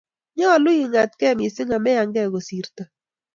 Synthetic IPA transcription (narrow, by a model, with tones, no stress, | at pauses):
ɲɔ˦˨lʊ˦ɪ˨ŋa˨t̚kɛ˦˨mɪ˨sɪ˦ŋa˨mɛ˦ja˨ŋɡɛ˦˨ɣo˨si˨ɾta˨